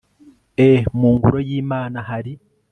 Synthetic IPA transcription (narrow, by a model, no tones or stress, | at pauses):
emuːŋɡuɾo̞jiːmaːnaɦaɾi